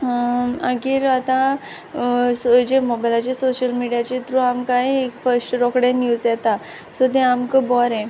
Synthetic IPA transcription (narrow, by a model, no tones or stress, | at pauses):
əɡiːɾat̪ã | sod͡ʑemɔbajlat͡ɕesoɕəlmiɽijat͡ɕet̪ɾũamkaɦiekfəɾsʈɾɔkɽẽnjuzjɛt̪a | sot̪eamkəbɔɾẽ